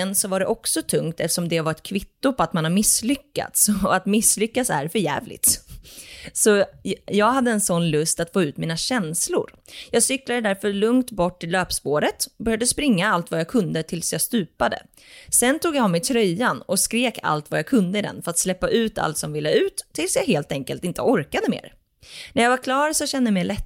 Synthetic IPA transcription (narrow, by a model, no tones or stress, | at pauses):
ɛnsɔvaɖɛʔɔksɔt̪ʰɵŋkt̪ʰɛft̪əʂɔmd̪ɛvaɾɛt̪kʰvɪt̪ːʊpʰɔat̪manhaɾmɪsːlʏkːa̰t̪sɔat̪mɪsːlʏkːat̪sæ̰ɾfœɾjæ̰ːvlɪ̰ɡt̪ | sɔjɑːɡɦad̪ːəɛnsɔnːlɵst̪at̪foːʉ̟ːt̪miːnaɕɛnslʊ̰ɾjɑːɡsʏklad̪əd̪æɾfœɭɵŋkt̪bɔʈːɪløːpspoːɾət̪ɔbœɾjad̪əspɾɪŋːaalt̪vajɑkʰɵnd̪ət̪ʰɪlsjɑːst̪ʉ̟ːpad̪ə̰ | sɛnt̪ʰuːɡjaɔmɛt̪ʰɾœjːanɔskɾeːkʰa̰lt̪vajɑkʰɵnd̪əɪd̪ɛ̰nfœɾat̪slɛpːaʔʉ̟ːt̪ʰa̰lt̪sɔmvɪlːəʉ̟ːt̪ʰːɪlsjɑːɦeːlt̪ɛŋkəlt̪ɪnt̪əɔɾkad̪əmḛːɾ | næɾjɑːɡvaɾkʰlɑːɾsɔɕɛnd̪əmɛjlɛt̪ː